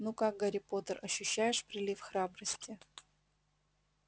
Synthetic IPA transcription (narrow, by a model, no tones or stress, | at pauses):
nukak̚ɡɐɾʲɪpot̪ərɐɕːʉɕːæjɪʂpɾʲɪlʲifxɾabɾəsʲtʲɪ